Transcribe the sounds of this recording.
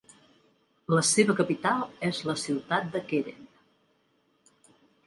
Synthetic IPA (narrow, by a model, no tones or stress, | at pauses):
ləseβəkəpit̪alˠɛzləsiwt̪at̪̚d̪əkeɾḛn